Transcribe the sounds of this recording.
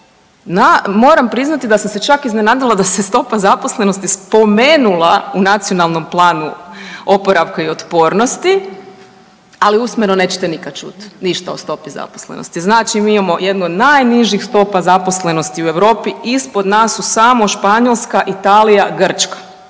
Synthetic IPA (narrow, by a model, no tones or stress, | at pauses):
namo̞ːɾampɾiznat̪id̪asamse̞t͡ʃakiznenaːd̪ilˠad̪asest̪o̞pazapo̞sle̞no̞st̪ispo̞me̞ːnulˠaunat̪sio̞nalˠno̞mplˠaːnṵopoɾaʋkaio̞t̪po̞ːɾno̞st̪i | aliusmenone̞ːt͡ʃe̥t̪e̞nikad̪̚t͡ʃṵt̪niʃt̪ao̰st̪o̞piza̰po̥slḛno̰st̪iznaːt͡ʃimiimamo̞jed̪nuod̪najniʒixst̪o̞ːpazapo̞sle̞no̞st̪iue̞ʋɾo̞ːpiispod̪naːsusaːmo̞ʃpaɲolˠskaʔit̪aːlijaɡr̩t͡ʃkḁ